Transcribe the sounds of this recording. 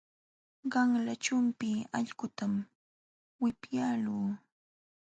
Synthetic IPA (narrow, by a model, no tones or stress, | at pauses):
ɢɑŋlat͡ʃʊmpɪɑʎɢʊt̪am | wɪpjaːluː